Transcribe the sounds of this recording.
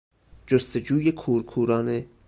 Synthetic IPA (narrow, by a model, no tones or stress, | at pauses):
d͡ʒost̪ed͡ʒuːjekʰuːɾkʰuːɾɒːne